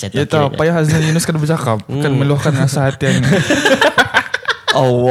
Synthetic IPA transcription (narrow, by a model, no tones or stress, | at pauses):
it̪apajaɦazajinʊskandabərt͡ʃakap̚akanmə̃luahkanɦasaɦat̪iani | o